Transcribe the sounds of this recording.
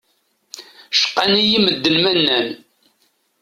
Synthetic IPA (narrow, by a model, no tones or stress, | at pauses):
ʃə̥qːanijiməd̪ːənmænːæn